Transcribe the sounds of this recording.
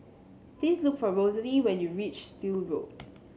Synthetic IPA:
dĩŋslʊkfɔɹozəliwɛ̃njuɹit͡ʃstilɹo̰d̚

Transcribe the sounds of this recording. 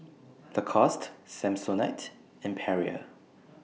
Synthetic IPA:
ðəkʰɔstsɛ̃msonaɪt | ɛ̃mpʰɛɹiə̰

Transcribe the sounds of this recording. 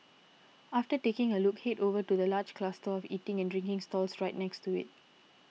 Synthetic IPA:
ʔaftətekɪ̃ŋəlʊkhetovətudəlaːd͡ʒkʰlastəɔfiːtɪ̃ŋɛ̃ndɹɪ̃ŋkɪ̃ŋstɔlsɹaɪt̚nɛkstuɪ̰t̚

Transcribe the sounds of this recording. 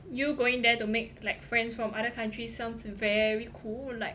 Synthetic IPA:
juɡoɪ̃ŋdɛtumek̚laɪk̚fɹɛ̃nsfɹɔ̃mʔaɾəkʰãntʰɹisãʊ̃nsvɛɹikʰullaɪk

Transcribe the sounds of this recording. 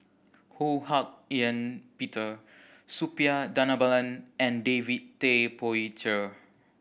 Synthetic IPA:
hohak̚jãnpitʰə | supiadanabalãnɛ̃ndevittepɔit͡ʃə

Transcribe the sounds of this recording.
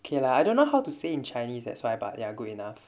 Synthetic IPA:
okʰelaajdõnːoɦawtuseĩnt͡ʃajnisdɛ̰tswajba̰tjaɡudinaf

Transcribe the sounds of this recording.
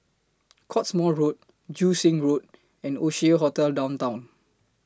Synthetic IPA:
kʰɔtsmɔɹot̚ | d͡ʒusĩŋɹot̚ | ɛ̃noʃiəɦɔtɛldãw̃ntãw̃n

